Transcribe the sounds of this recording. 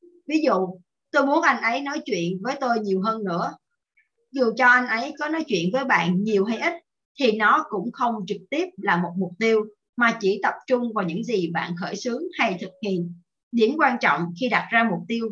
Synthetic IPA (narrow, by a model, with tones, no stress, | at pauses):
vi˨˦zṵ˧˨ | t̪o˧jmu˨˦ənʔa˧jŋ̟ʔə˨˦jnɔ˨˦jt͡ɕwḭ˧˨ənvəː˨˦jt̪o˧jɲi˨˩əwɦəː˧nːɨ̰˧˥ə | zu˨˩˨t͡ɕɔ˧ʔa˧jŋ̟ʔə˨˦jkɔ˨˦nɔ˨˦jt͡ɕwḭ˧˨ənvəː˨˦jɓa̰ː˧˨nɲi˨˩əwɦa˧jʔi˦˥t̚ | t̪ʰi˨˩nɔ˨˦kʊ̰˧˥ŋ͡mxə˧wŋ͡mt͡ɕɨ˨˩k̚t̪i˦˥əp̚laː˨˩mo˨˩t̚mʊ˨˩k͡p̚t̪i˧əw | maː˨˩t͡ɕi˧˩t̪ə˨˩p̚t͡ɕʊ˧ŋ͡mvaː˨˩ɲɨ̰˧˥ŋzi˨˩ɓa̰ː˧˨nxəː˧˩jsɨ˨˦əŋha˧jt̪ʰɨ˨˩k̚hḭ˧˨ən | ɗi˨˧˦əmkwaː˧nt͡ɕɔ̰˧˨wŋ͡mxi˧ɗa˨˩t̚zaː˧mʊ˨˩k͡p̚t̪i˧əw